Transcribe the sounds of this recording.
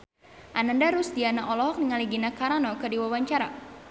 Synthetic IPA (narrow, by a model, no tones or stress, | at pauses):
ʔanandaɾusdianaʔɔlɔɦɔk̚niŋaliɡinakaɾanɔkɨrdiwawaɲt͡ʃaɾa̰